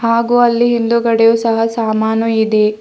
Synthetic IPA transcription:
haːɡuːɐlːiɦind̪uɡɐɽejuːsɐɦɐsaːmaːnuid̪e

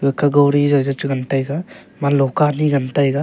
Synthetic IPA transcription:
ekʰaɡawɾizazat͡ʃuɡɐntajɡa | malɔkaniɡɐntajɡa

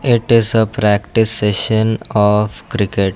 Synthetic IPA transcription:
ɪʈɪzəpɾækʈɪsːeʃə̃nɔfkɾɪkeʈ

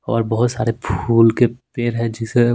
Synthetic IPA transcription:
ɔ̰ːɾbɐɦʊt̪sa̰ːɾepʰuːlkepeːɾɦɛ̃d͡ʒɪse

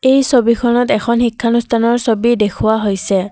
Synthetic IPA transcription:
ejsobikʰɔnɔtɛkʰɔnxikʰːanustʰanɔɹsobidekʰʊwaɦojsɛ

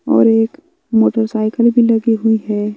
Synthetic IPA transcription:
ɔ̰ːɾeːk | moːʈəɾsaːɪkəlbʱilɐɡiɦʊiɦɛː

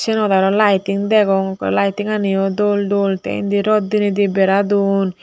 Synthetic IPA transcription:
sɛnɔd̪aɾɔlajtiŋd̪ɛɡɔŋlajtiŋanijɔd̪ɔlɖolt̪ɛ̰j̰nd̪iɾɔd̪ːinid̪ibɛɾad̪un

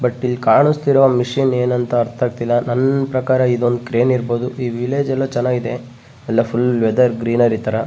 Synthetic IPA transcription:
bɐʈːilːkaːɾɳust̪iɾʋɐmiʂiːneːnɐnt̪ɐɐɾt̪ʰaːɡ̚t̪ilːɐnɐnːpɾɐkaːɾɐid̪o̞nd̪ukɾeːniɾbo̞ːd̪uʔiːʋileːd͡ʒɐlːoːt͡ʃɛnːaːɡid̪e̞ | ɛlːɐpʰulʋɛd̪ɐɾɡɾiːnɐɾit̪ɐɾɐ

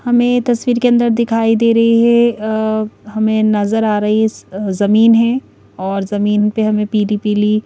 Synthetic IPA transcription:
hɐmẽt̪ɐswiːɾkeɐ̃nd̪əɾd̪ɪkʰaːid̪eːɾɐɦiɦɛ | hɐmẽnɐzəɾaːɾɐɦizɐmiːnɦɛ̃ | ɔːɾzɐmiːnpeɦɐmẽpiːɖiːpiliː

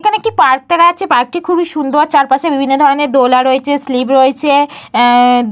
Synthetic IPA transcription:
kʰanekipaɾk̚t̪ɛkaaːt͡ɕʰepaɾk̚ʈikʰubiʃund̪oɾt͡ɕaɾpaʃebibʱinːod̪ʱɔɾoneɾd̪olaɾoet͡ɕʰeslipɾoet͡ɕʰe

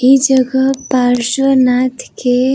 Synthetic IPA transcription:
id͡ʒəɡəpaɾʃənat̪ʰke

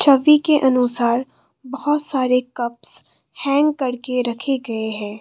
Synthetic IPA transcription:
t͡ʃʰɐʋikeʔɐnʊsaːɾ | bɐɦʊt̪saːɾekɐps | hɛ̃ːŋɡkːɐɾkeɾɐkʰeɡɐeɦɛ̃ː

